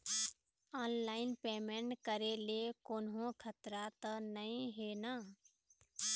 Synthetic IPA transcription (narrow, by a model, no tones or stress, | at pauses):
aːnlaːɪnpeːmẽːɳʈkəɾelekoːnɦõkʰət̪ɾat̪ənəĩɦeːnaː